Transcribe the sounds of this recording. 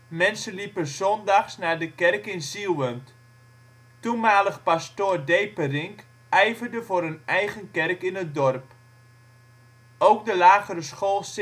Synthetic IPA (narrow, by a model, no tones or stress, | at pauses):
mɛnsəlipəzɔndɑχsnaːɹdəkɛrkɪnzilʋəmt | tumaːləχpastoːrdejpərɪŋk | ʔɛjvərdəvʊːrənɛjɣənkɛrkɪnət̚dɔrp | owk̚dəlaːɣəɾəsχoːlˠs